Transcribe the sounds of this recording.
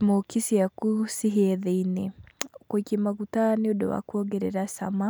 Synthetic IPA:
mokisiakusiɦɛðeinekoikemaɣutaneodo̰wa̰kuɔɣɛɾɛ̰ɾasama

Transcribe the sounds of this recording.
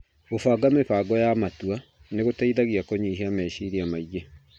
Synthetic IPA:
ofaːɡameɸaːɡɔjamatwa | neɣotaiðaɣiakoɲiɦeamɛʃiɾiamaiɣe

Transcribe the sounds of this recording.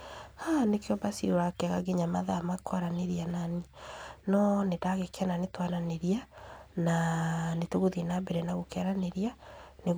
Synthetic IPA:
hanekeɔbasioɾakaɣaɡeɲamaðamakwaɾaneɾiananinɔnedaɣekananetwaɾaneɾiananetoɣoðienabɛɾɛnaɣokɛaɾaneɾianeɣ

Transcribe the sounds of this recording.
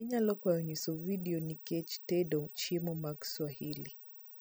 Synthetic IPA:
iɲalɔkwajɔɲisɔviɗiɔnikɛt͡ʃtɛdɔmt͡ʃimɔmakswahili

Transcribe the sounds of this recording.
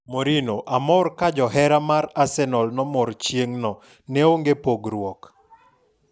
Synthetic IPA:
moɾinoʔamɔrkad͡ʒɔɦɛɾamaɾasɛnɔlnɔmɔɾt͡ʃjeŋnɔ | nɛoŋɡepoɡɾwɔk

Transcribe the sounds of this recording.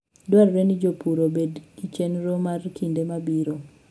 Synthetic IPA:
dwarɾenid͡ʒopuɾobedɡit͡ʃenɾomarkindemabiɾo

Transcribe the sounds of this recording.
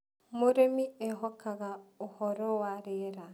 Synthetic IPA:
moɾemiɛɦɔkaɣaohɔɾɔwaɾeɾa

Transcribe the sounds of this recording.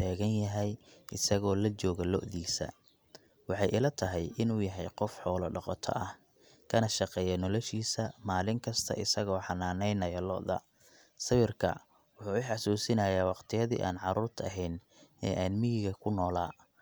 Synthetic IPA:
t̪ʰaːɣɐnjɐɦɛjʔɪsɐɣɔːlɐt͡ʃɔːɣɐlɔ̰ʔðiːsɐ̰ | wɑħɑjɪlɐt̪ʰɐɦɛjʔɪnuːjɐɦɛjqɔfħɔːlɔɖɑqɔt̪ʰɔ̰ʔɐh | kʰɐnɐʃɑqɛːjɐnɔlɔʃiːsɐmaːlɪŋkʰɐst̪ʰɐ̰ʔɪsɐɣɔːħɑnaːnɛjnɐjɐlɔ̰ʔðɐ̰ | sɐwɪrkʰɐ̰ | wʊħuːɪħɑsuːsɪnɐjaːwɑqt̪ʰɪjɐðḭːʔa̰ːnʕɑɾuːrt̪ʰɐ̰ɦɛjn | ɛ̰ːʔaːnmɪjɪɣɐkʰʊnɔːlaː

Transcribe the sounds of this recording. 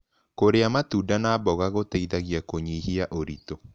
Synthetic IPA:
koɾeamatudanaːbɔɣaɣotaiðaɣjakoɲihiaʔoɾito

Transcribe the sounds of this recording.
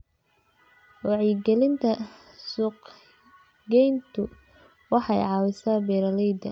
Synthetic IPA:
wɑʕiɡɛlɪnt̪ʰɐ | suːq | ɡɛjnt̪ʰʊ | wɑħɑjʕɑwɪsaːbɛːɾɐlɛjd̪ɐ̰

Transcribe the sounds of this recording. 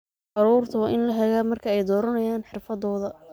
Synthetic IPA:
ʕɑɾuːrt̪ʰɐwːʔɪnlɐɦɛɣaːmɐrkʰɐɛjd̪ɔːɾɐnɐjaːnħɪrfɐðɔːðɐ

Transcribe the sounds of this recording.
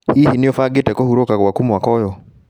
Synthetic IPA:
hihinijɔfaɡɪtɛkɔhuɾɔkakwakumwakɔjɔ

